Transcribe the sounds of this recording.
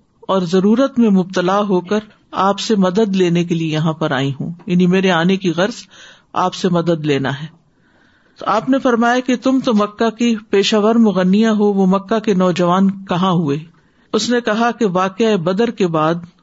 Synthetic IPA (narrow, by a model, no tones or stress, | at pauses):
ɔːɾzɐɾuːɾət̪mẽmʊb̚t̪əlaːɦoːkəɾ | aːpsemɐd̪əd̪leːnek̬eliejɐɦãpɐɾaːĩɦũːjɐnimeːɾeaːnekiɣɐɾz | a̰ːpsemɐd̪əd̪leːnaɦɛː | t̪oaːpnefɐɾmaːjaket̪ʊmt̪omɐkːakipeːʃaːʋəɾmʊɣənːijãɦoʋomɐkːakenɔːd͡ʒɐʋaːnkɐɦãɦueː | ʊsnekɐɦakeʋaːqeaebɐd̪əɾkebaːd̪